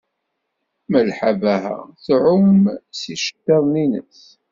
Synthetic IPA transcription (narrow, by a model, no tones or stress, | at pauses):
məlħavæɦæ̰θʕʊmsiʃə̥t̪ːɑðˤninə̰s